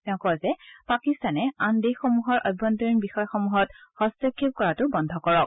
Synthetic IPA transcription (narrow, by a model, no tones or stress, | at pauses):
tɛʊ̃kɔzɛpakistanɛandexɔmuɦɔɹʔɔjbːɔntɔɹinbixɔjɔxɔmuɦɔtxɔstɔkʰːip̚kɔɹatʊbɔndʱɔkɔɹɔk̚